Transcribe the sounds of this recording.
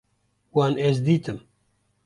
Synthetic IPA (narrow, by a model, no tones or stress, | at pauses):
waːnɛzd̪iːt̪ɨm